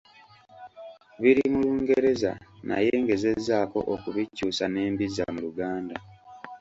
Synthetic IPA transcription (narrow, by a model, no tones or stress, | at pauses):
βiɾimuluːŋɡeɾe̞za̰na̰je̞ːŋɡe̞ze̞zaːko̞̰ʔokuβicːuːsane̞ːmbiza̰muluɡaːnda